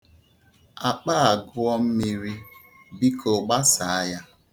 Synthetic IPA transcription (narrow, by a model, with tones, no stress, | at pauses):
a˨k͡pa˦a˨ɡʊ˦ɔ˦m̩˦mi˦ɾi˦ | bi˦kʰo˨ɡ͡ba˦sa˨a˦ja˦